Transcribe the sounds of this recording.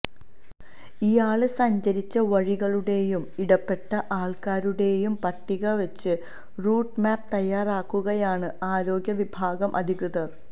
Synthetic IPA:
ijaːɭɨsɐɲd͡ʑɐɾit͡ɕːɐʋɐɻiɣɐɭuɽe̞jumiɽɐpːe̞ʈːɐʔaːɭkaːɾuɽe̞jumpɐʈːiɣɐʋɐt͡ɕːɨ | ruːɖmaːp̚t̪ɐjːaːraːkːuɣɐjaːɳɨaːɾo̞ːɡʲjɐʋibʱaːɡɐmʔɐ̰d̪ʱiɣɾɨðɐr

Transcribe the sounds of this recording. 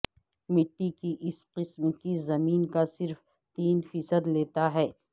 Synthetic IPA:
mɪʈːikiʔɪsqɪsmkizɐmiːnkasɪɾf | t̪iːnfiːsəd̪leːt̪aɦɛː

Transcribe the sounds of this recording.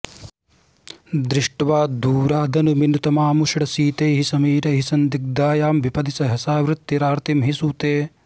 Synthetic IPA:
d̪ɾɪʂʈɐʋaːd̪uːɾaːd̪ʱɐnuminut̪ɐmaːmuʂɐɽɐsiːt̪eːɦisɐmiːɾɐɦisɐnd̪ik̚d̪aːjaːmʋipɐd̪isɐɦɐsaːʋɾɪt̪ːiɾaːɾt̪imɦisut̪eː

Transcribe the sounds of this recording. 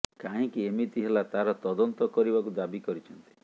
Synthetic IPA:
kaɦĩkiemit̪iɦelat̪aɾɔt̪ɔd̪ɔnt̪ɔkɔɾibakud̪abikɔɾit͡ʃʰɔnt̪i̥

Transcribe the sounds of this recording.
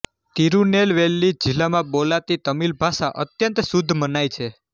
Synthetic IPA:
t̪iɾunelʋelːid͡ʒilamãbolat̪it̪əmilbʱasaʔət̪jənt̪sud̪ʱːmənajt͡ʃʰe

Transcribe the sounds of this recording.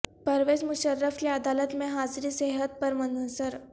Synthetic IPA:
pɐɾʋeːzmʊʃəɾːəfkeɐd̪aːlət̪mẽɦaːzɾiseɦət̪̚pɐɾmɐnʊsəɾ

